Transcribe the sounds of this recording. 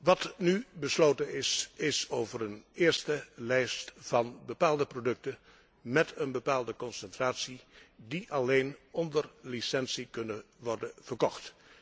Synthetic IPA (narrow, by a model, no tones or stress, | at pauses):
ʋɑtnybəslowtənɪsɪsowvərənɪːɹstəlɛjstv̥ɑnbəpaːlˠdəprodɵk̚tə | mɛtʰənbəpaːlˠdəkɔnsɛntraːtsidiʔɑlejnɔndərlisɛnsikɵnəʋɔɹdəv̥əɹkɔχt